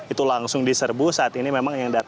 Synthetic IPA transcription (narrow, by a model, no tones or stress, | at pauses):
it̪ulaŋsʊŋdisərbʊsaːt̪inimemaŋjaŋda